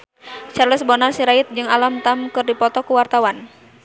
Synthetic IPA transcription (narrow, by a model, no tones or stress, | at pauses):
t͡ʃarləsbɔnarsiɾaɪt̪̚d͡ʒɨŋalamt̪amkɨrdipɔt̪ɔkuwart̪awan